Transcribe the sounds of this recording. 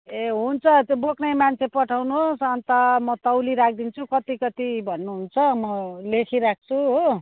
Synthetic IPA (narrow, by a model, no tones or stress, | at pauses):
eɦunt͡sʰʌt̪joboknʌjmant͡sʰepʌʈʰawnuosʌnt̪ʌmʌt̪ʌwliɾak̚ʰd̪int͡sʰukʌt̪ikʌt̪ibʱʌnːuɦunt͡sʰʌmʌlekʰiɾak̚t͡sʰuɦo